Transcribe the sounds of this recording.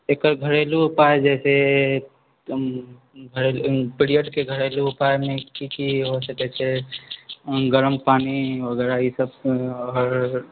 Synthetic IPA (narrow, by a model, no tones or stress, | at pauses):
ekəɾɡʱəɾelupaed͡ʒɛːse | ɡʱəɾelpiɾijəɖkeɡʱəɾelupaemẽkikiɦosəkɛt͡ʃʰe | ɡəɾəmpaːniʋəɡɛɾaisəbəɾ